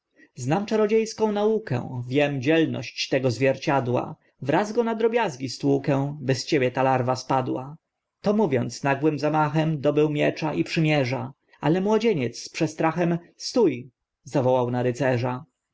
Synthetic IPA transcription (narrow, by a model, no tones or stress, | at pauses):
znamt͡ʂaɾɔd͡ʑejskɔ̃w̃naukɛ̰̃vʲjɛmd͡ʑɛlnɔ̰ɕt͡ɕt̪ɛɡɔzvʲjɛɾt͡ɕad̪wa̰ | vɾazɡɔnad̪ɾɔbʲjazɡʲist̪wukɛw̃bɘst͡ɕebʲjɛt̪alaɾvaspad̪wa | t̪ɔmuvʲjɔnt̪snaɡwɘmzamaxɛmd̪ɔbɘwmʲjɛt͡ʂaʔipʂɘmʲjɛʐa | a̰lɛmwɔd͡ʑeɲɛt̪spʂɛst̪ɾaxɛmst̪uj | zavɔwawnaɾɘt̪sɛʐa